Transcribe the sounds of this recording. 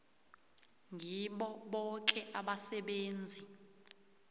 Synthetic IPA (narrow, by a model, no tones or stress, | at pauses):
ŋʱiɓɔɓɔk̬ʼɛʔaɓasɛɓeːnd͡zʱi